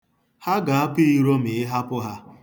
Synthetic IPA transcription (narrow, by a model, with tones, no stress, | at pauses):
ha˦ɡa˨a˦pi˦i˦˨ɾo˦mɪ˨ɪ˦ɦa˦pʊ˦ɦa˦